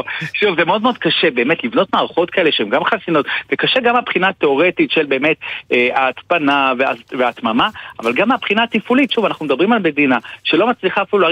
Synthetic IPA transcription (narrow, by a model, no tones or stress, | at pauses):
ʃuvzemeo̞d̪mo̞d̪̥̚kaʃebe̞ːmetlivno̞tmaːʁaχo̞t̪kaele̞ʃehemɡamχasino̞t̪vekaʃeɡamapχinat̪e̞o̞ʁe̞titʃe̞lbe̞ːme̞t̪eaːtt͡spanavea̰veat̪mamaa̰valɡamapχinaːt̪ifulitʃuvanaχnumed̪abʁimalme̞d̪inaʃelo̞mat͡sliχaːfilua